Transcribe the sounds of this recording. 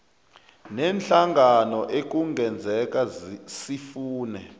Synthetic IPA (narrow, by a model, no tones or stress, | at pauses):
nɛnt͡ɬaŋʱanɔʔek̬uŋɡɛnd͡zʱɛk̬asifuːnɛ̰